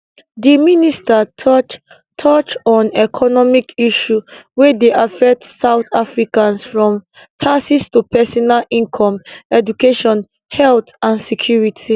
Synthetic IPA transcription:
diministatʰɔt͡ʃ | tʰɔt͡ʃɔ̃nɛkʰɔnɔmikiʃuwɛdeʔafɛk̚tsaʊtafɹikãnsfɹɔ̃m | tʰasistupɛsɔnalĩnkʰɔ̃mɛd͡ʒukeʃɔ̃n | hɛltãnsɛkʰjuɹitʰi

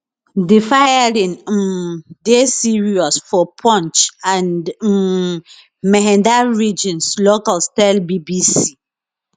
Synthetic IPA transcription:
difajaɹĩn | desiɹiɔsfɔpʰɔ̃nt͡ʃãnd | mɛɦɛ̃ndaɹid͡ʒĩnslokalstaɪlbibisi

